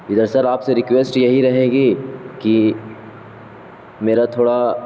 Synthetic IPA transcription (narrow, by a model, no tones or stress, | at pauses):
ɪd̪əɾsɐɾaːpseɾɪkʋeːsʈjɐɦiɾɐɦeːɡiːki | meːɾat̪ʰoːɽa